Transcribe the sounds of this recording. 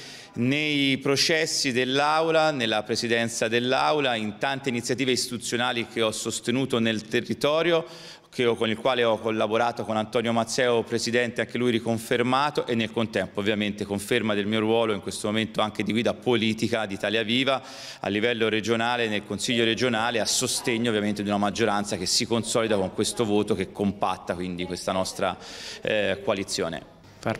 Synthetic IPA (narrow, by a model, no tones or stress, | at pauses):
nejpɾot͡ʃɛsːid̪elːawlanelːapɾesid̪ɛnt̪sad̪elːawlaint̪ant̪einit̪sːjat̪iːveist̪it̪ut̪sːjonaːlikʰeɔsːost̪enuːt̪onelt̪erːit̪ɔːɾjo | kʰeɔkonilkwaːleɔkːolːaboɾaːt̪okonant̪ɔːnjomat̪sɛːopɾesid̪ɛnt̪eaŋk̟elujɾikoɱfermaːt̪oʔenːelkont̪ɛmpoːvːjament̪ekoɱfermad̪elmiːoɾwɔːloiŋkwest̪omoment̪oaŋk̟ed̪iɡwiːd̪apoliːt̪ikad̪it̪aːljaviːva | a̰lːivɛlːoɾed͡ʒonaːlenelkonsiʎːoɾed͡ʒonaːleasːost̪eɲːoːvjament̪ed̪unamad͡ʒːoɾant̪sak̟esːikonsɔːlid̪akoŋkwest̪ovoːt̪ok̟ekːompa̰t̪ːakwind̪ikwest̪anɔst̪ɾa | kwalit̪sːjoːnḛ